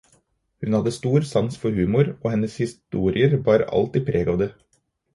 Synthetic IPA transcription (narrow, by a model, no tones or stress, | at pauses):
hʉnhɑd̪əst̪uːɾsɑnsfɔɾhʉːmʊɾoːhɛnəshɪst̪uːɾɪəɾʋɑːɾɑ̰lt̪iːpʰɾʔeːɡɑʋd̪ə